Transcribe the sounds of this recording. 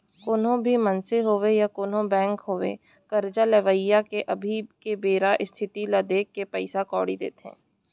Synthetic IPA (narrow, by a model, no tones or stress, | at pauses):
koːnõbʱimɐnseɦoːʋejakoːnõbɛ̃ːŋkɦoːʋḛ | kɐɾd͡ʒalɐʋəɪjːakeʔɐbʱikebeːɾaʔɪst̪ʰɪt̪ilad̪eːkːepɛɪsakɔ̰ːɽid̪ḛːt̪ɦɛ̰̃ː